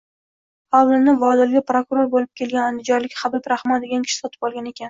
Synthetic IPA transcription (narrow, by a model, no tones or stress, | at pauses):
awlɪnɪvɒd̪ɪlɡʲɪpɾokʊɾoɾbolɪp̚kʲʰe̞lɡʲanand̪ɪd͡ʒɒɾlɪkʲχabɪbɾaχmad̪e̞ɡʲankʰʲɪ̥ʃɪ̥sɒt̪ʰɪ̥pɒlˠɡʲane̞kʲʰan